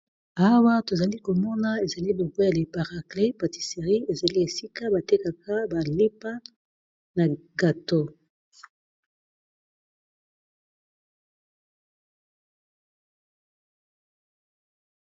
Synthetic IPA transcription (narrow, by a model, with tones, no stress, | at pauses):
a˦wa˦to˨za˨li˦ko˨mɔ˦na˦e˨za˨li˦bo˨ɡo˦ja˨le˨pa˨ʁa˨kle˦pa˨ti̥˨se˨ʁi˦e˨za˨li˦e˨si˦ka˦ba˨te˦ka˨ka˦ba˨le˦pa˦ | na˨ɡa˨to˦